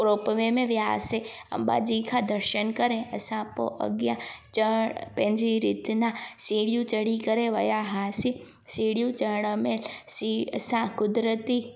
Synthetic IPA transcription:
pɾoːpəʋẽmẽʋjaːsẽɐ̰mba̰ːd͡ʒikʰad̪əɾʃənkɐɾẽɐsãpo̰ʔɐ̰ɡjat͡ʃəɽpẽnd͡ʒiɾit̪nasiːɽijũt͡ʃɐɽikɐɾẽʋɐjaɦaːsi | siːɽijũt͡ʃɐɽ̃əmeːlsiɐsãkʊd̪ɾət̪i

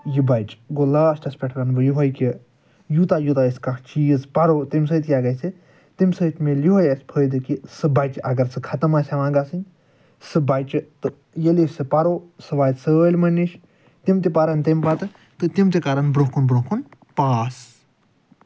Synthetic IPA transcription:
jibajt͡ʃɡolaːsʈɐspʲeʈʰɾanbɨjuɦojki | jut̪ajut̪aisʲkakʰt͡ʃiːzpaɾot̪imsəːt̪ʲkʲiaɡɐsʰi | t̪imsət̪ʲmeliɦojɐsʲpʰəjd̪ɨkisɨbajt͡ʃʔɐɡɐɾt͡sʰɨkʰɐt̪ɐmasʲaʋãɡasɨnʲ | sɨbajt͡ʃɨt̪ɨ | jelisʲsɨpaɾosɨʋajt̪səlʲmɐnːiʃ | t̪imt̪ipaɾɐnʲt̪empat̪ɨ | t̪ɨt̪imt̪ikaɾɐnbɾokʰunbɾokʰun | paːs

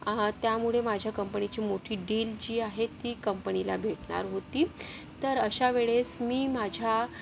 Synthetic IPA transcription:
t̪jamuɭemad͡ʑʱjakəmpənit͡ɕiːmoʈʰiːɖiːld͡ʑiːaɦet̪ːiːkəmpənilabʱeʈɳa̰ɾɦot̪iː | t̪əɾəɕaʋeɭesmiːmad͡ʑʱja

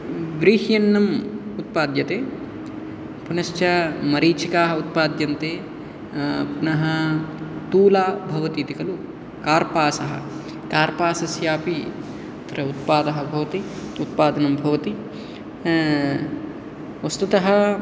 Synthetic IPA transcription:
ʋɾiːhjɐnːɐmut̪̚paːd̪jɐt̪eː | punɐʃt͡ʃɐmɐɾiːt͡ʃikaːɦɐut̪̚paːd̪jɐnt̪eː | punɐɦɐ | t̪uːlaːbʱɐʋɐt̪iːt̪ikɐlu | kaːɾpaːsɐɦɐ̰ | kaːɾpaːsɐsjaːpi | ɐt̪ɾɐut̪̚paːd̪ɐɦɐbʱɐʋɐt̪iut̪̚paːd̪ɐnɐmbʱɐʋɐt̪i | ʋɐst̪ut̪ɐɦɐ

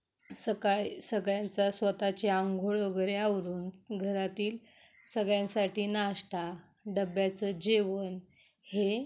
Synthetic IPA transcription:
səkasəɡɭjãnt͡sasʋət̪at͡ɕeaŋɡʱoɭʋəɡəɾeaʋɾuːnɡʱəɾat̪iːl | səɡɭjãnsaʈʰiːnaʂʈa | ɖəbjat͡səd͡ʑeʋən | he

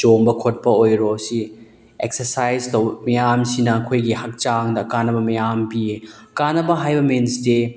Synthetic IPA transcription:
t͡ʃoŋbɐkʰot̚pɐojɾosi | eksɐɾsajztowmɐjamsinɐːkʰojɡihɐk̚t͡ʃaŋdɐkanɐbɐmɐjampie | kanːɐbɐɦajbɐminsde

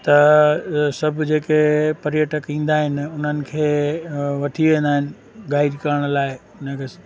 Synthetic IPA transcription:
t̪ɐ | sɐbʱʊd͡ʑeːkepɐɾjəʈəkɦĩːn̆d̪aːɦɪnɪ̆ʊn̤ənɪ̆kʰeːʋɐt̪ʰiʋẽːnd̪aːɦɪnɪ̆ | ɡaːɪɾkɐɾəɽ̃laːɪ | ʊn̤əkʰe

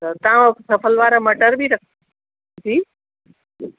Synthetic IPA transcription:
ət̪ãksɐpʰəlʋaːɾamɐʈəɾbʱiɾɐkʰ | d͡ʑiː

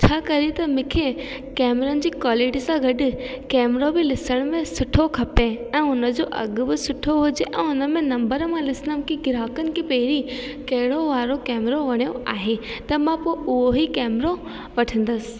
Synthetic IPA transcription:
t͡ɕʰaːkɐɾit̪ɐmɪkʰe | kɛːmɾənɪ̆d͡ʑiːkɔːleːɖɪsãɡɐɗɪ̆kɛːmɾobɪlɪsəɽ̃mẽsʊʈʰokʰɐpeɛ̃ːʊnə̆d͡ʑoːʔɐ̰ɡʊ̆bɪsʊʈʰoɦʊd͡ʑeʔɛ̰̃ːʊnəmẽnɐ̃mbəɾmãlɪsɪnəmkʰeɡɪɾaːkənɪ̆kʰeːpɐɦɪɾi | kɐɦɪɽoʋaːɾokɛːmɾoʋɐɽ̃ijoaːɦet̪ɐmãpoʊɦoɦikɛːmɾo | ʋɐʈʰə̃n̆d̪əsɪ̥̆

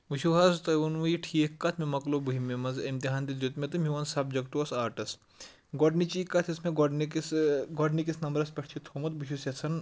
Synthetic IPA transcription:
buʃuɦaːst̪ɐjʋɐnʋujiʈʰiekːɐt̪ʰmemɐklobuɦimemɐnzɐmt̪iɦaːnd̪id̪ut̪mʲet̪ɨmiʋɐnsɐb̚d͡ʒɐkʈuɐsaːʈɐs | ɡɔɖnit͡ʃiːkːɐt̪ʰismeɡɔɖnsɡɔɖnikisnɐmbɾɐspʲɐʈʰt͡ʃʰit̪ʰomɐt̪̚buʃusɐt͡sʰɐn

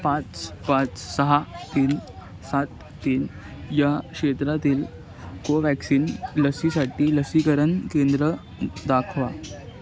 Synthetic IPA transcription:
pãt͡spãt͡ssəɦat̪iːn | sat̪ːiːn | jakʂet̪ɾat̪iːl | koʋæksiːnləsisaʈiːləsikəɾənkend̪ɾə | d̪akʰʋa

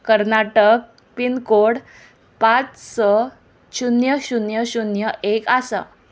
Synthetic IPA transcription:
kəɾnaʈək̚ | pinkoɽ | pat͡ssɔ | ɕunjəɕunjəɕunjəʔekasa̰

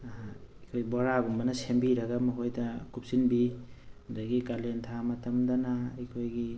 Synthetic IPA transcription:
kʰojbɔɾaɡumbɐnɐsembiɾɐɡɐmɐɦojdɐkup̚sinbihudaɡikalentʰamɐtɐmdɐnaɐjkʰojɡi

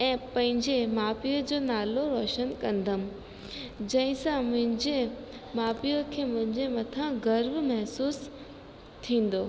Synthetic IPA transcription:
ɛ̃ːpɐ̃ɦɪ̃ɲd͡ʑemaːfijəd͡ʑoːnaːloɾoːʃənkɐ̃nd̪ʱəm̆ | d͡ʑɐ̃ɦɪ̃sãmʊ̃ɦɪ̃ɲd͡ʑe | maːpijəkʰeːmʊ̃ɦɪ̃ɲd͡ʑemɐt̪ʰãɡɐɾʋmɐɦsuːs | t̪ʰĩːn̆d̪oː

